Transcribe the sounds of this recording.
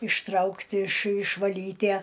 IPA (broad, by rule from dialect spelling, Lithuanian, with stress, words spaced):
ɪʃˈtrɐʊktʲ ɪʃ ɪʃʋɐˈlʲiːtʲæ